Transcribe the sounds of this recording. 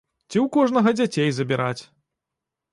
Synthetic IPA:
t͡sʲiwkɔʐnɐɣɐd͡zʲat͡sʲejzɐbʲiɾat͡sʲ

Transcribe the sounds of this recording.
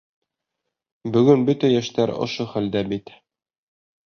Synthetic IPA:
bɵ̆ɡɵnbɵt̪æjæʃt̪æɾŏ̰ʃoχæld̪æbit̪

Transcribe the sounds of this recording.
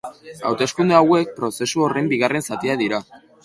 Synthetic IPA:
a̰wt̪e̞skund̪eawe̞k̚pɾo̞se̞suo̞re̞mbiɣ̞are̞nsat̪iaðiɾa

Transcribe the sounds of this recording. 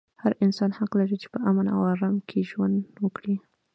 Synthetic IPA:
haɾɪnsɑnhaqlaɾit͡ʃe̥pəʔamana̰waɾamkʰeʒwand̪wəkɽi

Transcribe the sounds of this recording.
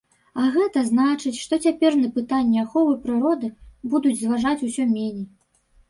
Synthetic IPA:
ɐɣɛt̪ɐznat͡ʂɨt͡sʲʂt̪ɔt͡sʲapʲɛrnɐpɨt̪anʲːɛaxɔvɨpɾɨɾɔd̪ɨbud̪ud͡zʲzvaʐat͡sʲusʲɔmʲenʲej

